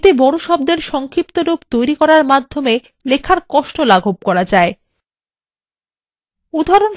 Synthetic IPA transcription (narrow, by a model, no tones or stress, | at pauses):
t̪ebɔɽoʃɔb̚d̪eɾʃɔŋkʰɾip̚t̪oɾupt̪ojɾikɔɾaɾmad̪ʱːome | lekʰaɾkɔʃʈolaɡʱob̚kɔɾad͡ʑae | ud̪ʱaɾon